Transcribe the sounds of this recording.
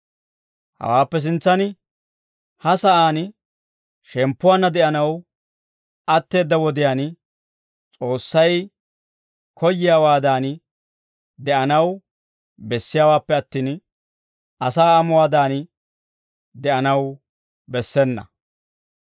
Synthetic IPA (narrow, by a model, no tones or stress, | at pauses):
hɐ̰waːpːɛs̬ɪnt͡sːɐn | hɐsɐʔaːn | ʃɛmpːʊwaːnːɐd̪ɛʔɐnɐw | ɐt̪ːe̞ːd̪ːɐwɔd̪ɪjaːn | t͡sʼo̞ːsːɐj | kʰɔjːɪjaːwaːd̪aːn | d̪ɛʔɐnɐw | bɛsːɪjaːwaːpːɛɐt̪ːiːn | ʔɐsaːɐmʊwaːd̪aːn | d̪ɛʔɐnɐw | bɛsːɛnːɐ̰